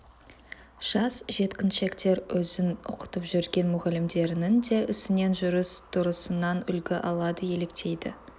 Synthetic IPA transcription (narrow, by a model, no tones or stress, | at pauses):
ʒ̥ɑsʒe̞t̪kʲɪnʃe̞kt̪e̞ɾwɵzɪnʊ̰qə̥t̪əpʒʏɾɡʲe̞nmʊʁɑlɪmd̪e̞ɾɪnɪnd̪e̞ʔɪsɪne̞nʒʊɾəst̪ʰʊɾəsənɑnʏ̰lɡʲɪʔɑlˠɑd̪əje̞le̞kt̪ʰe̞jd̪ɪ̰